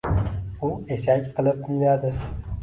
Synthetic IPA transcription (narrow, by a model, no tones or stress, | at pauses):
ʊe̞ʃakʲqʰɨlˠɪp̪̚ɪmad̪ɪ